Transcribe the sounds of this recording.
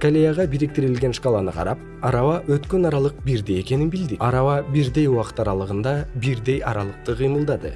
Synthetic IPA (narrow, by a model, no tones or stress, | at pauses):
kolʲejaʁɑbiɾik̚t̪iɾilɡʲe̞nʃkɑlˠɑnɯqʰɑ̰ɾɑp̚ | ɑɾɑwɑʔøt̪kønɑɾɑlˠɯq̚biɾd̪eje̞kʲe̞ninbild̪iɑɾɑwɑbiɾd̪e̞juwɑqə̥t̪ɑɾɑlˠɯʁɯnd̪ɑbiɾd̪e̞jɑɾɑlˠəq̚t̪ɯqʰəjmɯlˠd̪ɑd̪ɯ̰